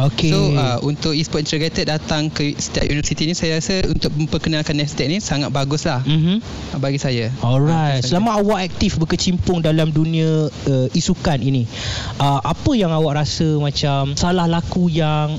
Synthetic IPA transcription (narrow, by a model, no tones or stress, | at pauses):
okesoaʔunt̪ʊk̚ispɔt̪̚int̪əɡɾet̪ət̪̚dat̪aŋkəsə̥t̪a̰t̪̚junivəsit̪inĩsajaɾasəṵnt̪ʊk̚mə̃mpərkənalkanːɛst̪ek̚nĩsaŋat̪̚baɡʊslahm̩m̥m̩ | baɡisajaɔlɾajt̪̚səlamãawaʔɛk̚t̪ifbəkət͡ʃimpʊŋdalamdunĩə̃əisukanini | ʔəʔapəjaŋawaʔɾasəmãt͡ʃamsalahlakujaŋ